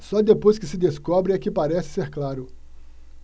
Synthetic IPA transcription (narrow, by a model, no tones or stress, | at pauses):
sɔd̪epojskɪsɪd̪eskɔbɾɪɛkɪpaɾɛsɪ̥seɾklaɾʊ